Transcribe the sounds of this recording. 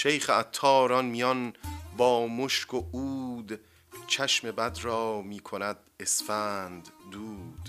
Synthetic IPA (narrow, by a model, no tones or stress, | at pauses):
ʃejχeæt̪ʰːɒːɾɒnmijɒnbɒːmoʃkʰouːd̪ | t͡ʃʰæʃme̞bæd̪rɒːmiːkʰonæd̪esfæːnd̪ːuːd̪̥